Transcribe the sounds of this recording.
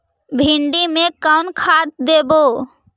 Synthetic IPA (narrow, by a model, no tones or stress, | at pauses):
bʱɪɳɖimẽkankʰaːt̪̚d̪eːboː